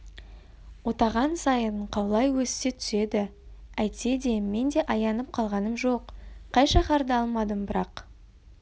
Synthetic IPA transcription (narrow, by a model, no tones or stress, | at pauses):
wo̞t̪ɑʁɑnsɑjəɴqʰɑwlˠɑjwɵsse̞t̪ʰʏ̥se̞d̪ɪ | æjt̪e̞d̪e̞me̞nd̪e̞ʔɑjɑnəp̚qʰɑlˠʁɑnəmʒo̞qqʰːɑjʃɑχɑɾd̪əɑlˠmɑd̪əmbɪɾɑq